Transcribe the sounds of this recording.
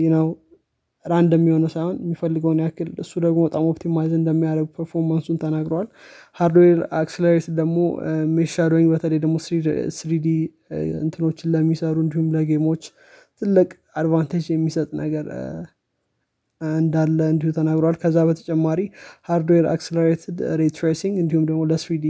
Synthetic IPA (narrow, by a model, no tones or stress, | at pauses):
jɪnəw | ɨɾaɨnd̪əmːiho̞nəwsajhonmːifəlːɨɡəwnjakːɨlɨsːud̪əɡmot̪ʼamopt̪ʰimazɨnd̪əmːijaɾəɡupʰəɾfo̞ɾmansunt̪ʰənaɡɾəwalhaɾd̪oeɾaksleɾet̪d̪əɡmo̰meʃad̪oɲbət̪ʰələjd̪əɡmo̞sisɾid̪i | ɨ̰nt̪ʰɨno̞t͡ʃːɪnləmːisəɾuɨnd̪ihumləɡemo̞t͡ʃː | t̪ʰɨlːɨkʼ | ad̪vant̪ʰed͡ʒjɛmːisət̪ʼnə̰ɡəɾ | ɨnd̪alːəɨnd̪ihut̪ʰənaɡɾowalkʰəzːabət̪ʰə̥t͡ʃʼɛmːaɾihaɾd̪oeɾa̰kseləɾet̪ʰɨd̪ɾet̪ʰɾesiŋɡɨnd̪ihumd̪əɡmoləsɾid̪i